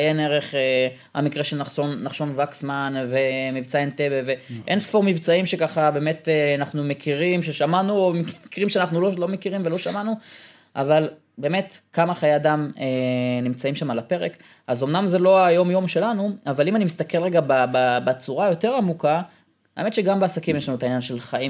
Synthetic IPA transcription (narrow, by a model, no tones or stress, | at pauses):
ajeneʁeχe | a̰mikʁeʃelnaχonːaχʃo̞nvaksmanvemivt͡saentebeveʔensfoʁmivt͡saimʃekaχabe̞me̞teanaχnumekʰiʁimʃeʃamanuomimikʁimʃeanaχnulolo̞mekiʁimvelo̞ʃamanu | ʔaval | be̞ːme̞tkamaχajeadamenimt͡saimʃamalape̞ʁek | azo̞mnamzelo̞ajo̞mjo̞mʃe̞lanuavalimanimist̪ake̞lʁeɡabababat͡suʁajo̞te̞ʁamuka | a̰emet̪ʃeɡambeasakimjeʃanuetainjanʃe̞lχaim